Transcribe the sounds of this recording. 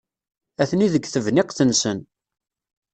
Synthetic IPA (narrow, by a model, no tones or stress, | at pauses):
æθniðəɡθəvnɪqθənsən